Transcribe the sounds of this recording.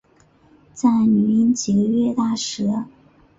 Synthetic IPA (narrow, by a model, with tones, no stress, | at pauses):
t͡sa˥˩ɪny˨˧˥i˧˥nt͡ɕi˨˩ɡə˦ɥɛ˥˧t̪a˥˩ʂɻ̩˧˥